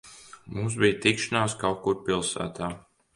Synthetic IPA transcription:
muːs̬bijt̪ikʃanaːskawkuɾpilˠsæ̰ːt̪ʰaː

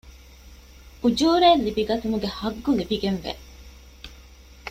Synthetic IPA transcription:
ud͡ʒuːɾeːlːibiɡɐt̪umuɡehɐɡːulibiɡenʋḛ

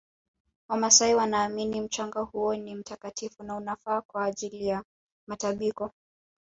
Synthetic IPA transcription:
wamasaiwanaːminim̩t͡ʃaŋɡahuɔnim̩takatʰifunaunafaːkwaːʄilija | mataɓikɔ

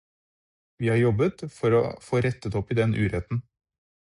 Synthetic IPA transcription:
ʋiːhɑɾjɔbət̪fɔɾɔ̰foːɾɛt̪ːət̪ɔpːɪd̪ɛnʔʉ̰ːɾɛt̪n̩

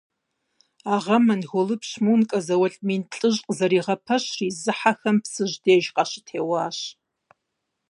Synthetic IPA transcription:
aʁɐmɐnɣʷʊlɨpɕmuːnkʼɐzɐwɐɬʼmiːnɬʼɨʑʼqʼzɐɾiːʁɐpʰɐɕrizɨħaxɐmpsɨʒdeːʒqʼɑɕɪ̥tʰeːwaːɕ

